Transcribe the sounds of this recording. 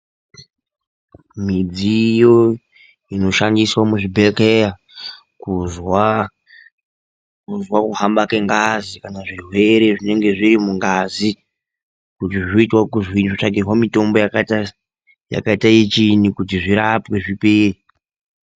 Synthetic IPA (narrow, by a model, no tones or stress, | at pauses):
mid͡zijo̞ | ino̞ʃandiswamuʐibʱekeja | kuzwa | kuzwakuɦambakeŋɡazikanaʐirwe̞ɾe̞ʐine̞ŋɡe̞ʐiɾimuŋɡaːzi | kutiʐoitwakuzwiʐot͡ʂakirwamito̞mbo̞jakata | ja̰kaitaet͡ʃinikutiʐiɾapwe̞ʐipeːri